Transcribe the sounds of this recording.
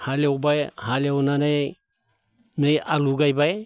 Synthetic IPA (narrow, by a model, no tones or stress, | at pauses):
halewbajhalewnana | mejaluɡajbaj